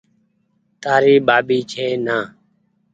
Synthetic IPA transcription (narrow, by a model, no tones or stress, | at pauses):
t̪aːɾiːɓaːɓiːt͡ʃʰeːnaː